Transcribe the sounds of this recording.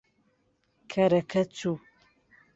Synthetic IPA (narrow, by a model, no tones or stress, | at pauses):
kʰɐɾɐkɐt͡su